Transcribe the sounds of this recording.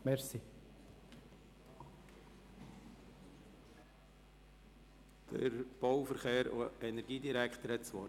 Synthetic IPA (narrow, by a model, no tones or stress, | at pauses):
mɛɾsi | d̪̥ə̰ɾb̥ɔwfəɾχeːɾo̰ɛnɛɾɡiːdiɾækχt̪əɾhɛtt͡sʋɔː